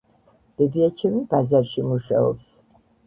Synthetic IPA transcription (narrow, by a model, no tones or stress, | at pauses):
b̥ɛbiat͡ʃʰɛmibazaɾʃimuʃa̰ɔ̰ps